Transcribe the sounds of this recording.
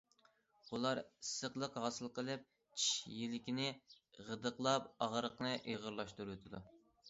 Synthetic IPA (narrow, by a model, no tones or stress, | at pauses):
ulˠɑɾisːəqlˠəqɦɑːsɨlˠqəlˠɨp̚ | t͡ʃʰiʃjilɪkʲinɪ | ʁəd̪əqlˠɑp̚ɑʁəɾəqnɨʔeʁəɾlˠɑʃt̪uɾt̪ʰɨd̪u